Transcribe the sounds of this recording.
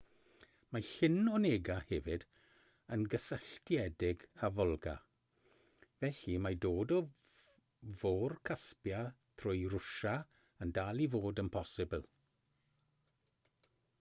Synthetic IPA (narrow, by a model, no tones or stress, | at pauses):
maɬɪnɔneːɡahɛvɪd | ənɡəsaɬtʰjɛdɪɡavɔlˠɡa̰ | vɛɬimadoːdɔ | voːrkʰaspjatʰrʊjɾʊʃa | əndaːlˠivoːdənpʰɔsɪbəlˠ